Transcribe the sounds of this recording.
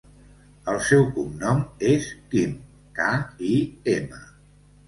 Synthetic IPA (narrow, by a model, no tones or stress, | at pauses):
əlˠsɛwkumnɔmeskim | kaiemə